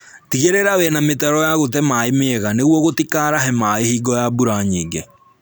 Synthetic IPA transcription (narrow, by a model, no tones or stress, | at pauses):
tiɣeɾeɾawɛnametɛɾɔjaɣot̬ɛmaemeɣaneɣwɔɣotikaɾaɦɛmaehiːɡɔjabuɾaɲiːɡe